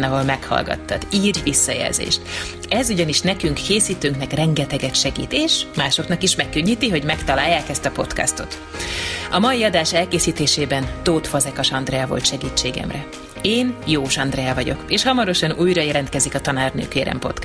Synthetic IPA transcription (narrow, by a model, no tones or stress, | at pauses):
nɒvɒlmɛkhɒ̰lɡɒ̰t̪ːɒ̰d̪iːrʋisːɒjɛ̰lzḛːʃt̪ | ɛzuɟɒniʃnɛkyŋkːeːsiːt̪øːŋknɛkrɛŋɡɛt̪ɛɡɛt̪ʃɛɡḭːt̪eːʃmaːʃo̞knɒkiʃmɛkːøɲːiːt̪iɦo̞ɟmɛkt̪ɒlaːjːaːkɛst̪ɒpo̞t̪kɒ̰st̪o̞t̪ | ɒmɒiɒd̪aːʃɛlkeːsiːt̪eːʃeːbɛnt̪oːt̪fɒzɛkɒʃɒnd̪rɛɛvo̞̰lt̪ʃɛɡiːt͡ʃːeːɡɛ̰mrɛ | eːnjoːʃɒnd̪rɛɛvɒɟo̞̰keːʃhɒmɒɾo̞ʃɒnuːjɾɒjɛlɛnt̪kɛzikɒt̪ɒnaːrnø̰ːkeːɾɛ̰mpo̞̰t̪k